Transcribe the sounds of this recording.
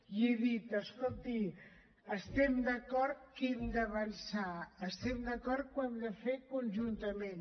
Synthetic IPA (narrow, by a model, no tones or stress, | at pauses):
jeðit̪əskolˠt̪i | əst̪ɛmd̪əkɔɾt̪̚kɛmd̪əβənsaəst̪ɛmd̪əkɔɾt̪̚kwɛmd̪əfekunʲʒunt̪əmen